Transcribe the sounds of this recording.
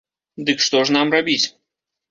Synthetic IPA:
d̪ɨkʂt̪ɔʂnamrabʲit͡sʲ

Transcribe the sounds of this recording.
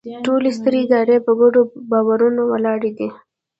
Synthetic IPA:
ʈolest̪əɾeɪd̪ɑɾepəɡoɖobɑwaɾunowəlɑɽed̪i

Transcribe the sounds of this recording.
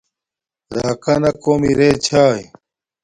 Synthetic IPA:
ɾaːkɐnɐkoːmiɾeːt͡ɕʰaːj

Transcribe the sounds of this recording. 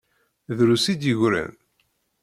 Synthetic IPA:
ðɾusid̪jəʝɾæ̰n

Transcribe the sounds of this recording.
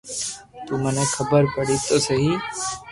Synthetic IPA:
t̪uːmənekʰɐbəɾpəɽit̪osəɦiː

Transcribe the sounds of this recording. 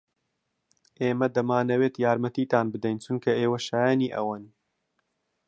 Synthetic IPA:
ʔeːmɐd̪ɐmaːnɐweːt̪jaːɾmɐt̪iːt̪aːnbɨd̪ɛjnt͡ʃʰʊnkʰɐʔeːwɐʃaːjaːniːʔɐ̰wan

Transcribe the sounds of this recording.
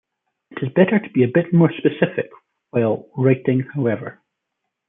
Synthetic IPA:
ɪʔɪzbɛʔə˞tʰəbiɨbɪʔmɔɹspəsɪfɪk | waɪlˠɹaɪʔɪ̃ŋhaʊɛvə̰˞

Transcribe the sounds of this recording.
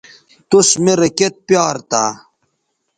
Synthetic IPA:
t̪usmeɾɐket̪̚pjɑːɾt̪aː

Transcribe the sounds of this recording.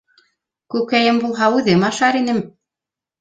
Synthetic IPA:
kʉkkæjɘmbulˠɦɑʉðɘmɑʃɑɾinɘm

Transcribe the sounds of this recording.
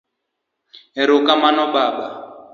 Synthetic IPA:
ɛɾɔkamanɔɓaːɓa

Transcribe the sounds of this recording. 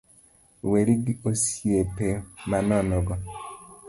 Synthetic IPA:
weɾiɡiosiepemanɔnɔɡɔ

